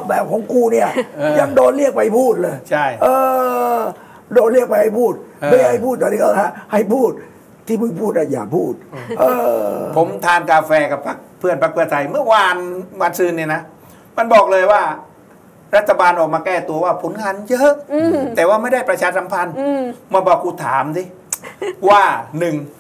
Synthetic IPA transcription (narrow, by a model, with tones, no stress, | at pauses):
bɛː˨˩p̚kʰɔː˨˦ŋkuː˧ni˥˩ɐ˧ja˧˩ŋdoː˧nli˥˩ək̚pa˧˩jpʰuː˥˩t̪̚lɤː˧jt͡ɕʰa˥˩jʔɤː˧ | doː˧nli˥˩ək̚pa˧jha˥˩jpʰuː˥˩t̪̚ːha˥˩jpʰuː˥˩t̪̚ːɔː˨˩ni˧˥kɔ˧˥˦a˦˥˩ha˥˩jpʰuː˥˩t̪̚ʰː | iː˥˩mɯ˧˩pʰuː˥˩t̪̚na˦˧˩ja̰ː˨˩pʰuː˥˩t̪̚ʔɤː˧pʰo˩˦mt̪ʰaː˧ŋkaː˧fɛː˧ka˨˩pʰa˦˥k̚pʰɯ˥˩ənpʰa˦˥k̚pʰɯ˥˩ɐt̪ʰa˧jmɯ˥˩ɐwaː˧nwaː˧nsɯː˧nːi˧˩na˦˥ | ma˧nbɔː˨˩k̚lɤː˧jwaː˥˩ | ɾa˥t̪ʰːa˧baː˧nʔɔː˨˩k̚maː˧kɛː˥˩t̪u˧ɐwaː˥˩pʰo˩˦nŋaː˧njɤ˦˥ʔt̪ɛː˨˩waː˥˩ma˥˩jda˥˩jpɾa˧t͡ɕʰaː˧sa˨˦mpʰa˧nma˧bɔː˨˩kːuː˧˩t̪ʰaː˨˩˦msi˦˧˩ | waː˥˩nɯ˨˩ŋ